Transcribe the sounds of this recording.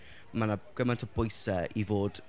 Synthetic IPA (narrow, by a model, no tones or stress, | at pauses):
manaɡ̥əmantʰəbojsəivoːd̥